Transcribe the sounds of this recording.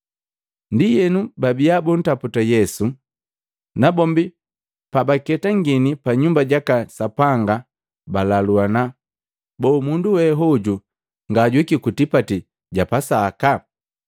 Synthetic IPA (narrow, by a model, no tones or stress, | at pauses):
ndijɛnubabiabɔn̩taputajɛsu | nabɔmbi | pabakɛtaŋɡinipaɲumbaɟakasapaŋɡa | balaluana | bɔːmunduwɛɦɔɟu | ŋɡaːɟwikikutipati | ɟapasaka